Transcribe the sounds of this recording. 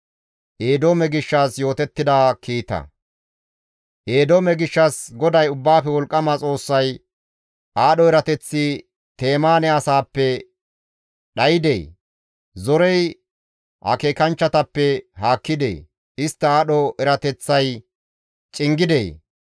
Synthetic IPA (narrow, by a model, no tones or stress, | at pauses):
ʔeːd̪oːmɛɡɪʃːaːsjo̞ːt̪ɛt̪ːɪd̪aːkʰiːt̪ɐ̰ | ʔeːd̪oːmɛɡɪʃːɐsɡɔd̪ɐjʊbːaːfɛwɔlkʼːɐmɐt͡sʼo̞ːsːɐj | ʔaːɗɔɛɾɐt̪ɛt͡sːi | t̪e̞ːmaːnɛɐsaːpːɛ | ɗɐjɪd̪ḛː | zɔɾɛj | hɐ̰keːkɐnt͡ʃːɐt̪ɐpːɛhaːkːɪd̪ḛː | ɪst̪ːɐaːɗɔʔɛɾɐt̪ɛt͡sːɐj | t͡ʃʼɪŋɡɪd̪ḛː